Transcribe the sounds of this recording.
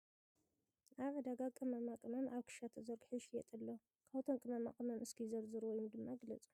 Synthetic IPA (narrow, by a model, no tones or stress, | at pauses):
ʔaβɐd̪aɡakʼɨmɐmakʼɨmɐnʔaβkʰɨ̥ʃat̪ʰɐzɐɾɡħɨʃjɛ̰t̪ʼɐlːo | kʰaβt̪ʰonkʼɨmɐma̰kʼɨmɐnɨskʰɨzɐɾzɨɾwɔjumd̪ɨmːaɡɨlɐt͡sʼu̥